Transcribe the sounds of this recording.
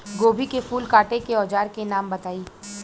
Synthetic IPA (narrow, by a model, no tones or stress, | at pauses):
ɡoːbʱikefuːlkaːʈekeɔːd͡ʒaːɾkenaːmbɐt̪aːiː